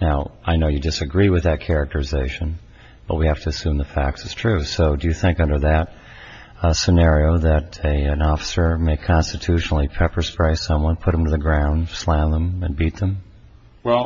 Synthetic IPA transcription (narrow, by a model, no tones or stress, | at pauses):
naʊʔaɪnoʊjɨdɨsɨɡɹiwɨðɨt̚kʰɛɹɨk̚tʰə˞ɨzeɪʃɨ̃n | b̥ʌt̚wihæftʰɨsʉ̃mðəfæk̚tsɨz̥tʰɹ̥ʉsoʊdɨjɨθɪ̃ŋkʌ̃ndə˞ðɨt̚ | sɨnɛɹioʊðɨɾɨɨ̃nɔfə̥sə˞meɪkʰɑ̃nstɨtʰʉʃnl̩ˠipʰɛpə˞spɹ̥eɪsʌ̃mwʌ̃npʰʊɾ̚m̃tʰɨðɨɡɹãʊ̃ndslæ̃mðə̃mɨ̃nbit̪̚ðə̃m | ɛ